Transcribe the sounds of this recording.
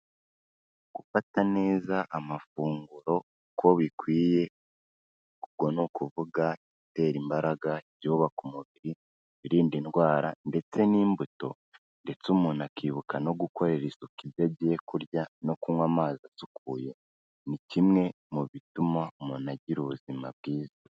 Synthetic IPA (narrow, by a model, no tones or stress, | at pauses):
ɡ̥ufatane̞ːzaʔamafuːŋɡuɾo̞ | kʰo̞βikwiːje̞ | kubɡo̞nukuvuɡa | ite̞ːɾimbaɾaɡaɾjoːβakumuβiɾi | iɾiːndinɡwaːɾande̞t͡se̞niːmbuto̞̰ | nde̞t͡sumuːnakiːβukano̞ɡuko̞ɾeɾisukibjaɟijekuɾjano̞kumwamaːzasukʰuje̞ | nicimŋe̞ | muβitumaumunaɟiɾuβuzima̰β̚ɡiːza